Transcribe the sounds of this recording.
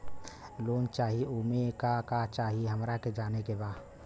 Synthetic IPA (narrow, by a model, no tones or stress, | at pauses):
loːnt͡ʃaːɦiumekakat͡ʃaːɦiɦəmɾaked͡ʒaːnekebaːd